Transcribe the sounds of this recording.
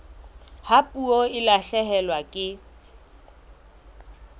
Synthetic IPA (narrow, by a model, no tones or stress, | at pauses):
hapʼuoɪlaɬɛɦɛlwakʼɪ